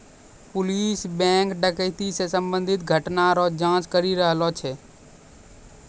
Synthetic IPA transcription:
pʊliːsbɛ̃ːŋkɖəkəɪt̪isesəmbə̃nd̪ʱɪt̪ɡʱəʈnaɾod͡ʒãːt͡ʃkəɾiɾəɦlot͡ʃʰeː

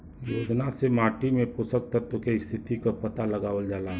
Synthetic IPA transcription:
joːd͡ʒnasemaːʈimẽpʊsək̚t̪ət̪ːʊkeɪst̪ʰɪt̪ikapɐt̪alɐɡaːʋəld͡ʒaːla

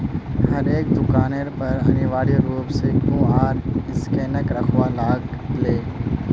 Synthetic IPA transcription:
ɦɐɾeːk̚d̪ʊkaːneːɾpɐɾɐ̰nĩːʋaːɽioɾuːpsekjũːaːɾɪskeːnəkɾɐxʰʋaːlaːɡɪleː

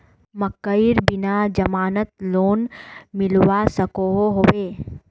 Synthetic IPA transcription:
mɐkːəiɾbɪnad͡ʒɐmaːnət̪loːnmɪlwasəkoɦoɦoʋeː

